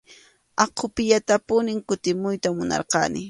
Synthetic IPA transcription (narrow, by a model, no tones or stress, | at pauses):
ɑqʰʊpɪʎat̪apʊnɪŋkʊt̪ɪmʊjt̪amʊnɑ̰ɾqɑ̰nɪ